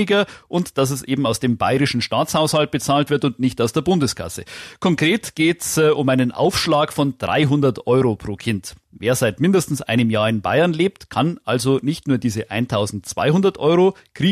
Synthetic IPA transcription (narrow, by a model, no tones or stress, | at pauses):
ɪɡɐʔʊntd̥as̬ɛsʔeːbm̩aʊsd̥eːmbaɪʁɪʃn̩ʃtaːt͡shaʊshalt̚b̥ət͡saːltv̥ɪɐtʊntnɪçtaʊsd̥eːɐbʊndəskʰa̰səkʰɔŋkʁ̥eːtɡ̥eːtsʊmʔaɪnənʔa̰ʊfʃlaːkfɔnd̥ʁa̰ɪɦʊndɐtʔɔʏʁopʁ̥oːkʰɪnt | veːɐzaɪtmɪndəstn̩sʔa̰ɪnəmjaːɐɪnba̰ɪɐnleːp̚tkʰanʔalzonɪçtnuːɐdiːzəʔaɪntʰaʊzn̩tt͡sv̥a̰ɪɦʊndɐtʔɔʏʁo | kʁ̥iː